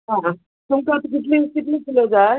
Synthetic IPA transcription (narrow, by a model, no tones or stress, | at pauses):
ɦã | t̪umkat̪ok̬it̪̬likit̪likilɔd͡zaɾ